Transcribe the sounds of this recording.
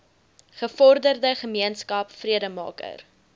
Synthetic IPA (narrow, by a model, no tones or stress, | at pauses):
χəfɔrdərdəχəmiənskɐpfriədəmɑ̰ːkə̰r